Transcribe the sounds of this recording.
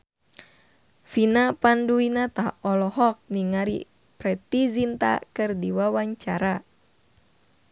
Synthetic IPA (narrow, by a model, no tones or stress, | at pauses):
finapanduinat̪ahɔlɔɦɔk̚niŋaɾḭ | pɾɛt̪izint̪a̰kɨrdiwawaɲt͡ʃaɾa